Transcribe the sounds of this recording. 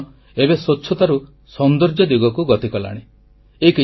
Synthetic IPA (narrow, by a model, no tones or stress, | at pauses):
ebesotːʰɔt̪aɾu | sɔnd̪ɔɾd͡ʒɔd̪iɡɔkuɡɔt̪ikɔla̰ɽ̃i | eki